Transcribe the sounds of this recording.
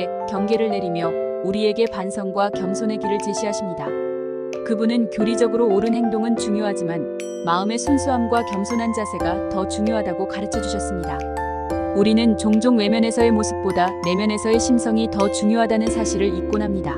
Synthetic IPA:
kjʌŋɡe̞ɾɯɭne̞ɾimjʌ | uɾie̞ɡe̞pansʰʌŋɡwakjʌmsʰonɦe̞ɡiɾɯɭt͡ɕe̞ɕʰiɦaɕʰimɲida | kɯbunɯnkjoɾid͡ʑʌɡɯɾoːɾɯnhe̞ŋdoŋɯnt͡ɕuŋjoɦad͡ʑiman | maɯme̞sʰunsʰuɦamɡwakjʌmsʰonɦand͡ʑasʰe̞ɡatʌt͡ɕuŋjoɦadaɡokaɾɯt͡ɕʰʌd͡ʑuɕʰʌs͈ɯmɲida | uɾinɯnt͡ɕoŋd͡ʑoŋwe̞mjʌne̞sʰʌe̞mosʰɯ̥p̚p͈odane̞mjʌne̞sʰʌe̞ɕʰimsʰʌŋitʌt͡ɕuŋjoɦadanɯnsʰaɕʰiɾɯɾik̚k͈onɦamɲida

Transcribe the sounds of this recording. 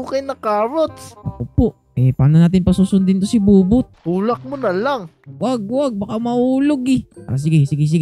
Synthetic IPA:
okɐjnɐkaːɾot̪oʔoːpoʔ | ʔɛpaːnonaːt̪̬ɪnpɐsuːsʊnd̪ɪnt̪osibuːbʊt̪̚kuːlɐk̚monɐlaŋ | waɡ̚waɡ̚bɐkamɐuːloɡɛʔa̰s̬ɪɡɛsɪɡɪs̬ɪɡɪ

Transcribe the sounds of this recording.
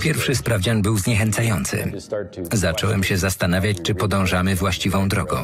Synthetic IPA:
pʲjɛɾfʂɘspɾavd͡ʑanbɘwzɲɛxɛnt̪sajɔnt̪sɘ̰ | zat͡ʂɔwɛmɕɛzast̪anavʲjat͡ɕt͡ʂɘpɔd̪ɔ̃w̃ʐamɘvwaɕt͡ɕivɔ̃w̃d̪ɾɔɡɔ̰̃w̃

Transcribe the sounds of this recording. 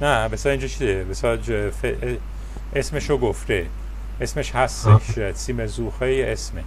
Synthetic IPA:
næbesɒind͡ʒt͡ʃʰid̪ebesɒd͡ʒfe | ʔesmeʃoɡoft̪e | esmeʃhæst̪eʃsimezuːxejeesme

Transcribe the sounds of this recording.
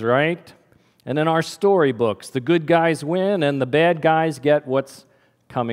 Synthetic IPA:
ɹaɪt | ɨ̃nɨ̃ñaʊə˞stɔɹibʊksðɨɡʊd̚ɡaɪzwɪ̃nɨ̃nðəbæd̚ɡaɪzɡɛt̚wʌts | kʰʌ̃mɪ̃

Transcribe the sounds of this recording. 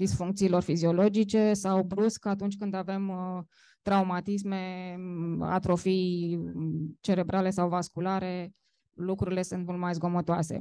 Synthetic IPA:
d̪isfuŋk̚t̪siːlo̞rfizio̞lo̞d͡ʒit͡ʃe̞sawbɾuskat̪unt͡ʃʲkɨnd̪ave̞m | t̪ɾaumat̪is̬me̞ | a̰t̪ɾo̞fij | t͡ʃe̞ɾe̞bɾale̞s̬awvaskulaɾe̞ | lukɾuɾile̞sunt̪mult̪majzɡo̞mot̪oasḛ

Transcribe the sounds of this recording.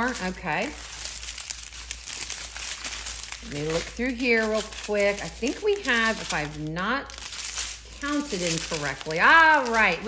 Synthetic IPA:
ɹoʊkʰeɪ | meɪlʊk̚θɹʉɦiɹɹɪlˠkʰw̥ɪkaɪθɪ̃ŋkwiɨvɨfaɪvnət̚kʰãʊ̃ntʰɨɾɨ̃nkʰə˞ɛk̚tʰˡliɔɹaɪt̚

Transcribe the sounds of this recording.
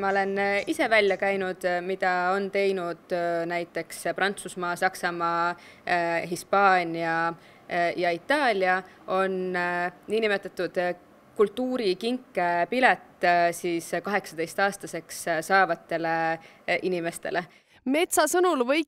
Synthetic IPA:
mɑole̞nise̞vælʲjɑkæjnud̪̥mid̪̥ɑo̞nt̪e̞jnud̪̥næjt̪ːˑe̞ksprʔɑnt̪susmɑːsɑksɑmɑː | ɦispɑːnʲiɑ | jɑit̪ːˑɑːlʲiɑ | ʔo̞nː | iːnime̞t̪ːˑɑt̪ːˑud̪̥ | kult̪ːuːɾikiŋkːepilet̪ːsiːskɑɦe̞ksɑd̪e̞jst̪ɑːst̪ɑse̞kssɑːvɑt̪ːe̞le̞ | ʔinime̞st̪e̞̰le̞ | me̞t̪sɑsɤnulvɤj

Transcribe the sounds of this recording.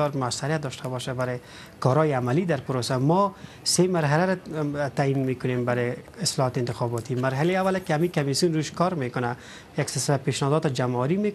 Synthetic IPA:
ɔɾmʊasːaɾjat̪̚d̪ɔʃt̪ʰabɔʃabaɾɪ | kɔɾɔjɪamalid̪aɾpʊɾosamɔ | semaɾɦalaɾat̪ainmekʊnembaɾɪɪslɔɦɔt̪ɪnt̪ɪxɔbɔt̪imaɾɦaleawːalekɪamikamisjunɾuʃkɔɾmekʊna | jaksɪɾsɪlapeʃnɔd̪ɔt̪ɪd͡ʒamawaɾime

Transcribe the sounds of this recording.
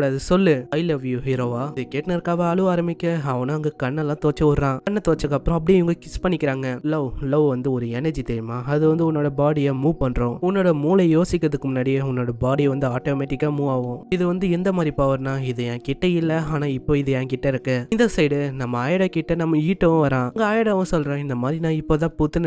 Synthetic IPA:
ɽɐðɯsɔlːɯɐɪlɐʋjuɦɪɾoːʋaːɪðɯkeːʈnɐɾkaːʋɐɐɭɯaːɾɐmɪkʲːɐɐʋɐnɐɐŋɡɐkɐɳːɛlːãːt̪oːt͡ʃːɐʋɐɾɾãːkɐɳːɐt̪oːt͡ʃːɐkːɐpːɯɾõːɐp̬ːɐɽiʋʊŋɡɐkɪspɐɳːɪkːɪɾaːŋɡɐloːloːʋɐnd̪ɯɔɾɯɛnɐɾd͡ʒit̪ɛɾɪmaːɐðɯʋɐnd̪ɯʊnːoːɽɐbaːɽɪjaːmuːpɐɳɾõːʊnːoːɽɐmuːlɐjoːsɪkʲːɾɐðɯkːɯmʊnːaːɽɪjeʊnːoːɽɐbaːɽiʋɐnd̪ɯaːʈoːmeːʈɪkːaːmuːaːʋõːɪðɯʋɐnd̪ɯɛnd̪ɐmaːd̪ɾipaːʋɐɾnaːɪðɯjɛ̃ːkɪʈːɐɪlːɐaːnaːɪpːoːɪðɯjɛ̃ːkɪʈːɐɪɾɯkːɛ̃ːɪnd̪ɐsɐɪɽɯnɐmːɐaːjɐɽɐkɪʈːɐnɐmːɐiːʈːɐʋɐ̃ʋɐɾãːŋɡɐaːjɐɽɐʋɐ̃sɔlːɾẽːɪnd̪ɐmaːd̪ɾinãːɪpːoːt̪̬ãːpʊt̪ːɯn

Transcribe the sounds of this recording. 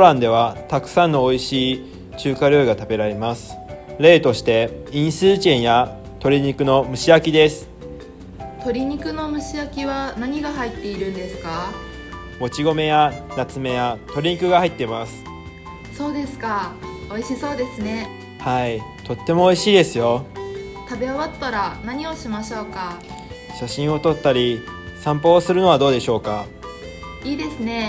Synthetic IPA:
oɾãnd̪e̞β̞at̪akɯ̟̥sãnːo̞ːiɕiː | t͡ɕɨːkaɾʲo̞iɡat̪abe̞ɾaɾe̞masɨ̥ɾe̞ːt̪o̞ɕi̥t̪e̞ĩɰ̃sɨːʑẽ̞ɰ̃ja | t̪o̞ɾʲiɲ̟ikɯ̟no̞mɯ̟ɕiakʲid̪e̞sɨ̥ | t̪o̞ɾʲiɲ̟ikɯ̟no̞mɯ̟ɕiakʲiβanaɲ̟iɡahait̪ːe̞iɾɯ̟̃nd̪e̞sɨ̥ka | o̞t͡ɕiɡo̞me̞janat͡sɨme̞jat̪o̞ɾʲiɲ̟ikɯ̟ɡahait̪ːe̞masɨ̥ | so̞ːd̪e̞sɨ̥kao̞iɕiso̞ːd̪e̞sɨne̞ | hait̪o̞t̪ːe̞moːiɕiːd̪e̞sɨjo̞ | t̪abe̞aβat̪ːaɾanaɲ̟io̞ɕimaɕo̞ːka | ɕaɕĩɰ̃o̞t̪o̞t̪ːaɾʲisãmpo̞ːsɨɾɯ̟no̞β̞ad̪o̞ːd̪e̞ɕo̞ːka | iːd̪e̞sɨne̞

